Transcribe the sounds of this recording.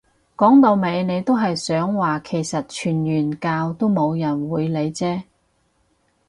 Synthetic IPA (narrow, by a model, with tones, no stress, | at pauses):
kɔː˨˥ŋt̪o˧wme˨˧jne˨˧jt̪o˥wɦɐ˨jsœː˨˥ŋwaː˨kʰe˨˩jsɐ˨t̚t͡ʃʰyː˨˩njyː˨˩nkaː˧wt̪o˥wmo˨˧wjɐ˨˩nwuː˨˧jle˨˧jt͡sɛː˥